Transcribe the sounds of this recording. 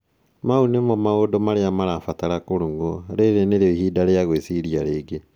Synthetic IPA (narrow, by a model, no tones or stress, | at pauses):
maunemɔmaodɔmaɾeamaɾafataɾakoɾoŋɡoɾeɾeneɾiɦiːdaɾeaɣwesiɾiaɾeːɡe